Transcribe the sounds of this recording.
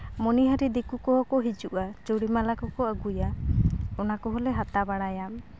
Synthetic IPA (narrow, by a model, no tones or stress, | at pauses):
mɔniɦaɾid̪ikukɔɦɔkɔɦid͡ʒuʔat͡ʃuɽimalakɔkɔəɡuja | ɔnakɔɦɔleɦat̪abaɽajam